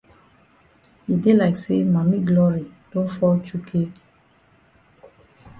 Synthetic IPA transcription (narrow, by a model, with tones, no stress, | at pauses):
hi˨de˦la˨ɪkse˦ma˨mi˦ɡlɔ˦ɹi˨d̥õ˦nfɔ˦lt͡ʃu˦kʰe˦